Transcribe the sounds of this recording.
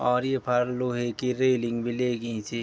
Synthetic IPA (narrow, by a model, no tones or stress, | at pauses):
ɔːɾjepʰaɾloɦekiɾeliŋɡbʱilekĩt͡ʃʰi